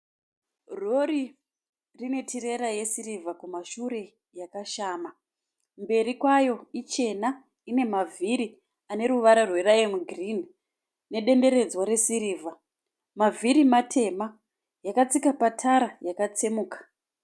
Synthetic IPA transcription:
ro̞ɾi | rine̞tʰiɾeɾaje̞siɾivʱakumaʃuɾe̞ | jakaʃaːma | mbe̞ɾikwajo̞it͡ʃe̞na | ine̞mavʱiɾi | ane̞ɾuʋaɾarwe̞ɾajemuɡʱrini | ne̞ɗe̞nde̞ɾe̞d͡zwaɾe̞siɾiːvʱa | mavʱiɾimatʰe̞ma | jakat͡sikapatʰaɾajakat͡semuːkḁ

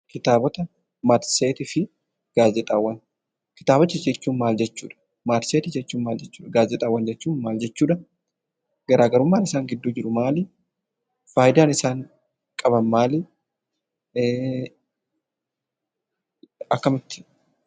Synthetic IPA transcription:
kɪt̪aːbɔt̪ɐ | mat̪seːt̪ɪfɪ | ɡ̥aːzɛt̪ʼawːɐn | kɪ̥t̪aːbɔt͡ʃːɪd͡ʒɛt͡ʃːuːnmaːld͡ʒɛt͡ʃːṵːᶑɐ̥ | maːt̪seːt̪ɪd͡ʒɛt͡ʃːuːnmaːld͡ʒɛt͡ʃːu̥ːᶑɐɡaːzɛt̪ʼawːɐnd͡ʒɛt͡ʃːuːnmaːld͡ʒɛt͡ʃːuːᶑɐ | ɡ̥ɐɾʔaːɡɐɾʊmːaːnɪsaːŋɡɪd̪ːuːd͡ʒɪɾʊmaːlɪ | faːjɪd̪aːnɪsaːŋ | kʼɐbɐnmaːlɪ | ɐkːɐmɪt̪ːɪ̥

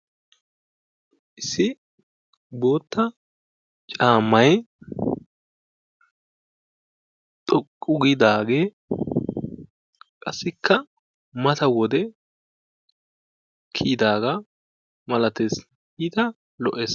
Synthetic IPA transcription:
ʔɪsːɪ | bo̞ːt̪ːɐ | t͡ʃʼaːmːɐj | t̪ʼɔkʼːʊɡɪd̪aːɡe̞ː | kʼɐsːɪkʰːɐ | mɐt̪ɐwɔd̪ɛ | kʰiːd̪aːɡɐ | mɐlɐt̪es | ɪt̪ɐ | lɔʔeːs

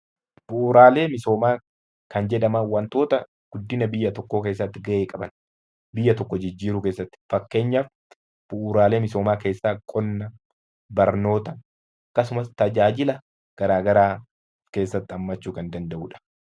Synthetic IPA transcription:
b̥ʊʔːɾaːle̞ːmɪso̞ːmaː | kɐnd͡ʒɛᶑɐmɐwɐnt̪o̞ːt̪ɐ | ɡ̥ʊd̪ːɪnɐbɪjːɐt̪ɔkːoke̞ːs̬ːɐt̪ːɪɡɐʔeːkʼɐbɐ̰n | bɪjːɐt̪ɔkːɔd͡ʒɪd͡ʒːiːɾuke̞ːsːɐt̪ːɪ̥fɐkːe̞ːɲːaf | b̥ʊʔːɾaːle̞ːmɪso̞ːmaːke̞ːsːaːkʼɔnːɐ | bɐɾno̞ːt̪ɐ | ɐkːɐsʊmɐst̪ɐd͡ʒaːd͡ʒɪlɐ | ɡ̥ɐɾaːɡɐɾaː | ke̞ːsːɐt̪ːɪɐmːɐt͡ʃːuːkɐnd̪ɐnd̪ɐʔuːᶑɐ̥

